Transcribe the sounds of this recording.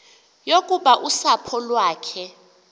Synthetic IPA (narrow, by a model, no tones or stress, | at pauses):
jokʼuɓaʔusapʰɔlwaːkʰɛ